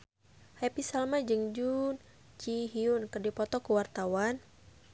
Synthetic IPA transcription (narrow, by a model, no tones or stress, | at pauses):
hɛpisalmad͡ʒɨŋd͡ʒun | t͡ʃiɦiunkɨrdipɔt̪ɔkuwart̪awan